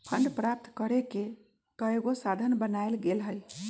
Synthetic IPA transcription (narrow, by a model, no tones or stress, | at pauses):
pʰəɳɖpɾap̚t̪kəɾeke | kəeɡosad̪ʱənbənajlɡelɦəj